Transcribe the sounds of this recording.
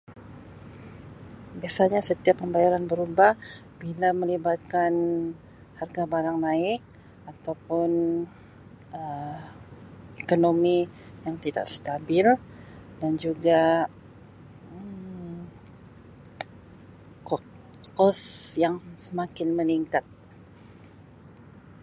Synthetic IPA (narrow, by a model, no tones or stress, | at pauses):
biasaɲasət̪iapːəmbajaɾanbəɾuba | b̥ilaməlibat̪̚kan | harɡabaɾaŋnaɪk̚ | at̪awpʊn | ə | ekonomi | jaŋt̪ida̰ʔst̪abɪldand͡ʒuɡa | kɔsjaŋsəmakɪnməniŋkat̪̚